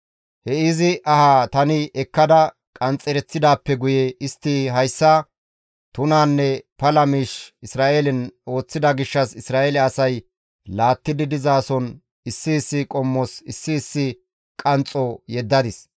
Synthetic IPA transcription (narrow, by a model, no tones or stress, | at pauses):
hɛɪzɪʔɐhaːt̪ɐnɪʔɛkːɐd̪ɐ | kʼɐnt͡sʼːɛɾɛt͡sːɪd̪aːpːɛɡʊjɛɪst̪ːiɦɐjsːɐ | t̪ʊnaːnːɛpɐlɐmiːʃɪsɾaːʔelɪno̞ːt͡sːɪd̪ɐɡɪʃːɐsɪsɾaːʔelɛɐsɐj | laːt̪ːɪd̪ɪd̪ɪzaːsɔn | ɪsːɪːsːɪkʼɔmːɔsɪsːɪːsːɪ | kʼɐnt͡sʼɔjɛd̪ːɐd̪ɪs